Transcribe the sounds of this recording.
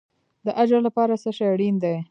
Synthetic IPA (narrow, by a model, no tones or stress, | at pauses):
d̪əʔad͡ʒalapɑɾasəʃajaɽind̪aj